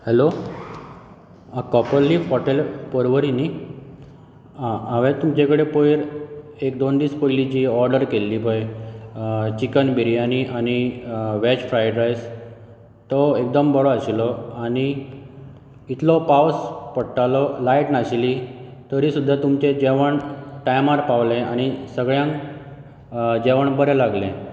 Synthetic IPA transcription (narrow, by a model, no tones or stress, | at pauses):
hɛlo | akɔpəɾlːiɦɔʈelpɔɾʋəɾini | aʋẽt̪umt͡ɕekəɽepojɾekd̪ond̪iːspojlid͡ʑiɔɾɖəɾkelːipəj | t͡ɕikənbʱiɾianiʔañiʋet͡ɕfɾajɖɾajs | t̪ɔek̚d̪əmbəɽɔaɕilɔani | t̪lɔpawspəɽʈalɔlajʈnaɕlit̪əɾisud̪ʱːat̪umt͡ɕed͡ʑeʋəɳʈajmaɾpaʋlẽañisəɡɭjãŋk | d͡ʑeʋəɳbəɾɛlaɡlẽ